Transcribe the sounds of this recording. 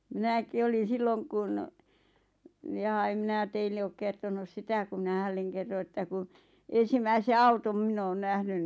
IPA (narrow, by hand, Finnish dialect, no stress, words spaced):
mi̞næki olin̞ silːoŋ kun j̆ɑ em minæ teilːe oːk kertonus sitæ ku mĭnæ hælːeŋ kerːo etːæ ku en̞simæise ɑutom mĭn oːn næhnyn